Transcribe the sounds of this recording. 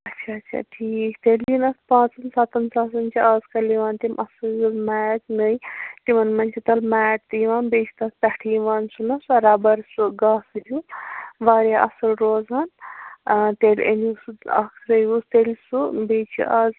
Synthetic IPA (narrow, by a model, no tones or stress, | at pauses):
ɐtːt͡ʃʰaːt͡ʃʰa̰ʈʰiːkʰt̪elʲdinɐspãːt͡sɨnsat̪ɐnsaːs̬ɐnt͡ʃʰiɐzkɐliʋaːnt̪imʔɐsɨjlmɛːʈnɨjt̪imɐnmɐnʲt͡ʃʰit̪ɐlmɛːʈ̚t̪iʋaːnbet͡ʃʰi̥t̪ɐkpʲaʈʰiːʋaːnsunɐsɐɾabɐɾsuɡaːsɨjuʋaːɾjaʔɐsɐlɾoːzaːn | t̪elʲḛnusuɐ̰kʰɾɐjust̪elʲsubet͡ʃʰḭʔaz